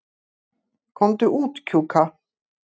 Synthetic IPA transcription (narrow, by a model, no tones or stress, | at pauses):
kʰɔmd̪ʉʔuːt̪kʰuːkʰa